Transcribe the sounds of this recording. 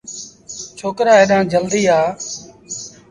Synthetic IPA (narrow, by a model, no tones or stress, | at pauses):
t͡ʃʰoːkɾaːeːɗãːd͡ʒəld̪iːaː